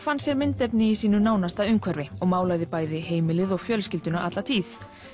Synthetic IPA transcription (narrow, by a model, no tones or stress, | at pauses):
fansjɛɾmɪnt̪ɛpnɪisiːnʏnaːwnast̪aðʏŋkʰvœɾvɪɔɣmaːwlaːjðɪpaːjðɪɦeːjmɪlɪðɔɣfjœlscɪlt̪ʏnaat̪lat̪ʰiːθ